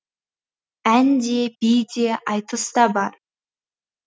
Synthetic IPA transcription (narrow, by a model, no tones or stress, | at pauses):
ænd̪e̞bijd̪eʔɑjt̪əst̪ɑbɑɾ